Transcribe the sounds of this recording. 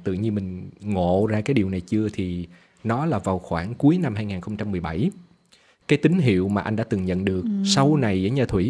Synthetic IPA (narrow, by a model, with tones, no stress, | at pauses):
t̪ɨ̰˧˨ɲɨ˧mï˨˩ŋ̟ŋo̰˧˨zaː˧kaː˨˦jɗi˨˩əwna˨˩jt͡ɕɨ˧ət̪ʰi˨˩ | nɔ˨˦laː˨˩vaː˨˩wxwaː˧˩ŋku˨˦əjna˧mɦaː˧jŋaː˨˩nxə˧wŋ͡mt͡ɕa˧mːɨ˨˩əjɓa˧˩j | kaː˨˦jt̪ï˨˦ŋ̟ɦḭ˧˨əwmaː˨˩ʔa˧jŋɗa̰ː˧˥t̪ɨ˨˩ŋɲə̰˧˨nɗɨ˨˩ək̚sa˧wna˨˩jzə̰ː˧˥˦ɲaː˧t̪ʰwi˧˩